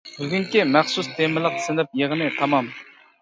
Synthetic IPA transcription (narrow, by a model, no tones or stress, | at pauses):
ɡənkəmaχsust̪eməlaχsənəp̚jaχnet̪ʰamam